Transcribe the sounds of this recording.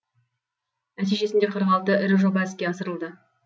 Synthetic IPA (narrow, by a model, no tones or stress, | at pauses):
mæt̪iʒe̞sɪnd̪eqʰəɾʁɑlˠt̪əɪɾɪʒo̞bɑɪskʲe̞ɑsəɾəlˠd̪ə